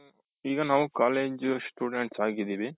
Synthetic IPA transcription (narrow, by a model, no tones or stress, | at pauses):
iːɡanaːʋũkaːleːd͡ʒsʈuːɖeɳʈsaːɡid̪iʋi